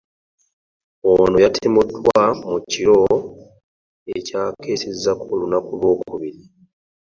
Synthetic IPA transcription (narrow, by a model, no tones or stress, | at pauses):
onojatʰemudːwamuciɾo | ecaːkeːsezːakolunakulwo̞ːkuβiɾi